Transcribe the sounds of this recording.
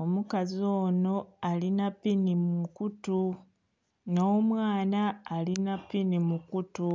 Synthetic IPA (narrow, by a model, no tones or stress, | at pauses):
omukazoːno̞alinapinimukutu | noːmwaːnaːlinapːinimukutu